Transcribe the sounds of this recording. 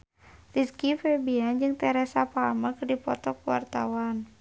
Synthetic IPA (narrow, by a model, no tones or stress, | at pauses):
riskifɛbiand͡ʒɨŋt̪ɛɾɛsapamakɨrdipɔt̪ɔkuwa̰rt̪a̰wan